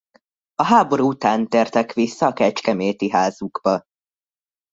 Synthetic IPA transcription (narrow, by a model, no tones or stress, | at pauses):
ɒɦaːbo̞ɾuːut̪aːnt̪eːrt̪ɛkʋisːɒːkɛt͡ʃkɛmeːt̪iɦaːzuɡ̥bɒ